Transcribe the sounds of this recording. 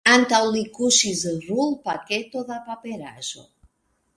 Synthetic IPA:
ant̪awlikuʃizrulpaket̪oðapapeɾa̰zo̰

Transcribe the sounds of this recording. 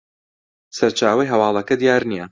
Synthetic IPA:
sɐɾt͡ʃaːwɐjɦɐwɑːlˠɐkɐd̪ijaːɾnijɐ

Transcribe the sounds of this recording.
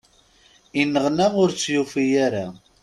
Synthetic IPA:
inːəʁnæʁʊɾt͡sːjufijaɾa

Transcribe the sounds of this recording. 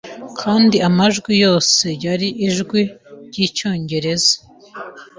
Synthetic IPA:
kʰaːndiamaʒɡwijo̞ːse̞jaɾiʔiʒɡwiɾɟit͡ʃo̞ːɲɟe̞ɾe̞zḁ

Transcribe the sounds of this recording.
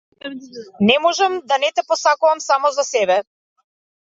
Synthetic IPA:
nɛmɔʒɛmd̪anɛt̪ɛpɔsakuvamsamɔzasɛbɛ

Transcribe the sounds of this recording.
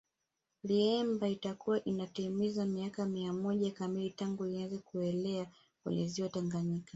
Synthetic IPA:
liɛmbaitakuwaʔinatimizamiakamiamɔʄakamilitaŋɡuiazɛkuɛlɛa | kwɛ̰ɲɛziɔtaŋɡaɲika

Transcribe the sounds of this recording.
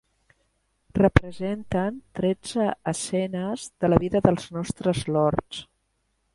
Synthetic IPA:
rəpɾəzɛnt̪ənt̪ɾɛd͡zəəsɛnəzðələβiðəðəlˠznɔst̪ɾəzlɔɾt͡s

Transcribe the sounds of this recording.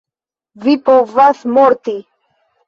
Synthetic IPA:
vipovasmoɾt̪i

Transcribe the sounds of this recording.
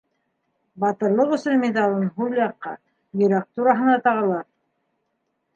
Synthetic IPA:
bɑt̪ɤ̆ɾlˠɤqɵ̆sɘnmʲed̪ɑlˠɤnɦuljɑqːɑ̰ | jɵ̆ɾæq̚t̪uɾɑɦɤ̆nɑt̪ɑʁɑlˠɑɾ

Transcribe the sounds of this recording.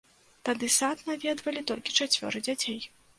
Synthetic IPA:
t̪ad̪ɨsat̪navʲɛd̪vɐlʲit̪ɔlʲkʲi̥t͡ʂat͡sʲvʲɔ̰ɾɨd͡zʲat͡sʲej

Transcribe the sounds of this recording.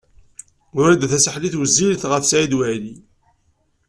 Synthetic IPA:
ʊɾæd̪θæsəħliθwəzːilθʁəθsʕid̪wæli

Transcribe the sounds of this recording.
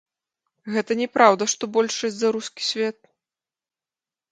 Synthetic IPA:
ɣɛt̪ɐnʲɛpɾawd̪ɐʂt̪ɔbɔlʲʂɐsʲzɐɾuskʲi̥sʲvʲɛt̪̚

